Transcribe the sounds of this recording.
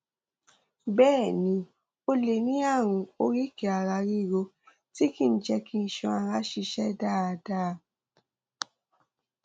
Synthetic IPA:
bɛː˦˨nĩ˧˦ | o˧le˧nĩ˦a˦˨w̃ũ˧o˧˦ɾi˦ke˨a˨ɾa˧ɾi˦˨ɾo˧ | ti˦ki˦˨˦d͡ʒɛ˧kĩ˦n̩˨ʃɔ̃˧a˨˧ɾa˦ʃi˧ʃɛ˦da˦˨a˧da˦˧˨

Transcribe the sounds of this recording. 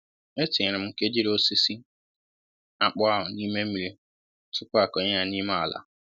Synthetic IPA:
e˦tɪ˨ɪ˨ɾɪ˨m̩˦ŋ̩˦ke˦d͡ʒi˦ɾe˨o˦si˦si˦ | a˨k͡pʊ˦a˦ɦʊ˨ni˦me˦m̩˦i˨ɾi˨˦ | tʊ˦kʊ˦a˨kɔ˨ɲe˦ɲa˨ni˦me˦a̰˨la̰˨

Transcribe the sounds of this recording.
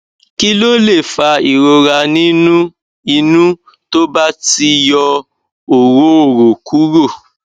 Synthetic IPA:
ki˦lo˦le˦˨fa˧i˨ɾo˧ɾa˧nĩ˦nũ˦ | i˧nũ˦ | to˦ba˦ti˧jɔ˧ | o˨ɾo˨˦o˦˨ɾo˨kʰu˨˦ɾo˦˨

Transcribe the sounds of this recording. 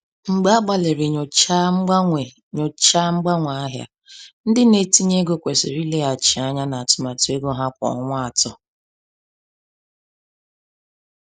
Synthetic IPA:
ŋ͡m̩˨ɡ͡ba˦a˦ɡ͡ba˨le˨ɾɪ˨ɲ˨t͡ʃa˦ŋ͡m̩˦ɡ͡bʷe˨ | ɲʊ˨t͡ʃa˦ŋ͡m̩˦ɡ͡ba˦ŋʷa˨a˦ɦja̰˦ | n̩˦dɪ˦ne˨ti˦ɲe˦ɡo˦kʷe˨sɪ̰˨ɾi˦le˦a˨t͡ʃɪ˨a˦ɲa˦na˨a˨tʊ˨ma˨tʊ˦e˦ɡo˦ɦa˦kʷɔ̰˨˦ŋʷa˦a˨tɔ˦

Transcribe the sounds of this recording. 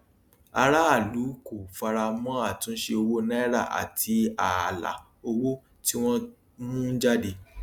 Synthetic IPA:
a˧ɾa˦a˦˨lu˨˦ko˨fa˧ɾa˧mɔ̃˦a˦˨tũ˨˦ʃe˧o˧wo˦nɛ̃˦ɾa˦˨ʔa̰˨tʰi˧a˨la̰˨ | o˧wo˦ | ti˦w̃ɔ̃˦ | nũ˦n̩˦d͡ʒa˦de˧

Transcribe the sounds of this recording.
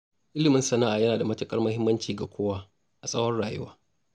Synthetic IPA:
ʔɪ˦lɪ˨mɪ˦nsɐ˦na˦ʔaː˨jɐ˦naː˨da˨mɐ˦tɐ˦kʼɐ˦rmɐ˦hɪ˦mːɐ˦nt͡ʃiː˨ɡa˨kʷʰoː˦waː˦ | ʔa˨sʼɐ˦wɔ˦rɽaː˨jʊ̰˦waː˦

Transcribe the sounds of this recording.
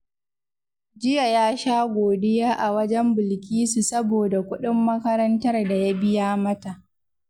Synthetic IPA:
d͡ʒɪ˦ja˨jaː˦ʃaː˦ɡʷoː˨dɪ˦jaː˦ʔa˨wɐ˦d͡ʒɛ˦mbɪ˨lkʲiː˦su˨sɐ˦boː˨da˨kʷʊ˦ɗɪ˦mːɐ˦kɐ˦ɾɐ˦ntɐ˦rda˨ja˦bɪ˦jaː˦mɐ˦ta˨ʔ

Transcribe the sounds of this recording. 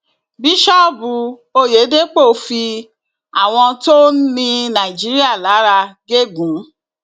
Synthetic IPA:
bi˦ʃɔ˦˨bu˧ | o˧je˨˦de˦k͡po˦˨fi˧ | a̰˨w̃ɔ̃˧to˦nĩ˧nã˨i˨d͡ʒi˨˦ɾi˦a˦˨la˨˦ɾa˧ɡe˦ɡũ˨˦

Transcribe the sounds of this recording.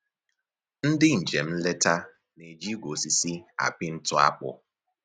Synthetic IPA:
n̩˦dɪ˦n̩˨d͡ʒe˨m̩˦le˦ta˦ | ne˨d͡ʒi˦ɡʷo˨si˨si˦a̰˨pɪ˦n̩˦tʊ˦a̰˦k͡pʊ̰˦˨

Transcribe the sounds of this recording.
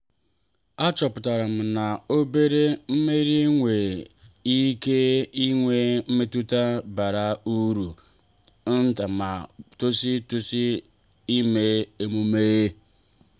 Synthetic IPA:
a˦t͡ʃɔ˨pʊ˨ta˨ɾa˨m̩˨na˨o˦be˦ɾe˦m̩˦me˦ɾi˦ŋʷe˨i˦ke˦i˦ŋʷe˦m̩˦me˦tu˦ta˦ba˨ɾa˨u˦ɾu˨˦ | n̩˦ta˨ma˨to˦si˦tu˦si˦ | i˦me˨e˦mu˦me˦ɣe˦

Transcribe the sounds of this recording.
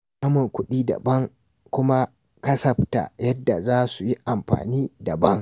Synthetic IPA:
ʔa˦mʊ˨ŋkʷʊ˦ɗiː˦dɐ̰˨bɐ˦ŋ | kʷʊ˦ma˦ | kɐ˦sɐ˨ɸta̰˨jɐ˦dːa˨zaː˦su˨ji˦ʔa˨mɸa̰ː˨niː˦dɐ˨bɐ˦ŋ

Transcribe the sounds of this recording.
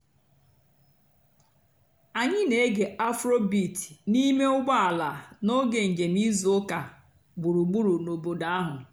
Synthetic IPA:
a˨ɲɪ˦ne˨e˦ɡe˨a˦fɾo˦bi˨ti̥˨ni˦me˦ʊ˦ɡ͡ba˦a˨la˨no˦ɡe˨ŋ̩˨d͡ʒe˨mi˦zo˨ʊ˦ka˨ | ɡ͡bu˨ɾu˨ɡ͡bu˦ɾu˨no˨bo˨da˨a˦ɦʊ˨

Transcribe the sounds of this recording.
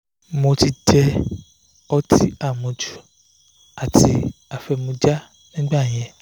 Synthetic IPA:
mo˧ti˧d͡ʒɛ˦ | ɔ˦tʰḭ˦a˦˨mũ˨d͡ʒu˦ | a˨ti˧a˨fɛ˨mũ˨d͡ʒa˦ | nĩ˦ɡ͡ba˦˨ɲɛ̃˨

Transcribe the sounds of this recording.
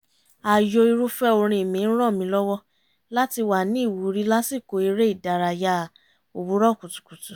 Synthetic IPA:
a˨jo˧i˧ɾu˦fɛ˦o˧ɾ̃ĩ˧i˨mĩ˨˧˦ɾ̃ɔ̃˦˨mĩ˧lɔ˦wɔ˦ | la˦ti˧wa˨nĩ˦i˦˨wu˨˦ɾi˦la˦si˦˨ko˨˦i˧ɾe˦i˦˨da˨ɾa˨ja˧˦˨ | o˨wu˨˦ɾɔ˦˨ku˨tu̥˨ku˨tu˨

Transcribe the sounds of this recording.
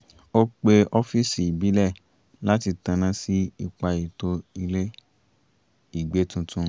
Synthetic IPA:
o˦k͡pe˧ɔ˧fi˦si˨bi˨˦lɛ˦˨ | la˦ti˧tã˧nã˧˦si˦i˧k͡pa˧i˨to˧i˧le˦ | i˦˨ɡ͡be˨˦tũ˧tʰũ˧

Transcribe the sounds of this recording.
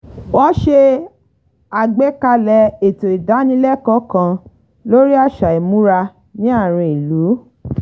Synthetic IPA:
wɔ˦ʃe˧ | a˨ɡ͡be˦ka˧lɛ˨˦e˨to˨i˨da˨˦nĩ˧˦lɛ˦˨kɔ̃˨˦kã˧ | lo˦ɾi˦a˦˨ʃa˨e˨mũ˨˦ɾa˧ | nĩ˦a˦˨ɾ̃ĩ˧i˨lu˨˦

